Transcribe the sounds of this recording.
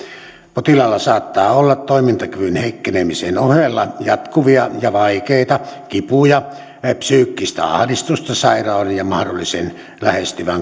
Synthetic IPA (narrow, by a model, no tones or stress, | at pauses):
pot̪ilɑlːɑsɑːt̪ːɑːolːɑt̪t̪oˑimint̪ɑkyʋynheˑikːenemisenohelːɑjɑt̪kuʋiɑjɑʋɑikeˑit̪ɑkipujɑ | psyːkːist̪æ̰ɑ̰hdist̪ust̪ɑsɑˑirɑˑonenjɑmɑhdolːisen | læhest̪yʋæŋ